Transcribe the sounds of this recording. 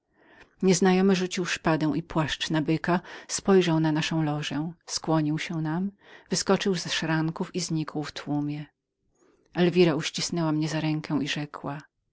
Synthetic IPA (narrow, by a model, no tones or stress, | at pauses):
ɲɛznajɔmɘʐut͡ɕiwʂpad̪ɛ̃w̃ʔipwaʂt͡ʂnabɘkaspɔjʐawnanaʂɔ̃w̃lɔʐɛskwɔɲiwɕɛnam | vɘskɔt͡ʂɘwzɛʂɾaŋkufizɲikwft̪wumʲjɛ | ɛlvʲiɾauɕt͡ɕisnɛwamɲɛzaɾɛŋkʰɛw̃iʐɛkʰwa